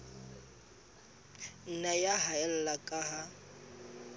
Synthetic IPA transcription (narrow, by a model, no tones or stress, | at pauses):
n̩najaɦaɛl̩lakʼaɦa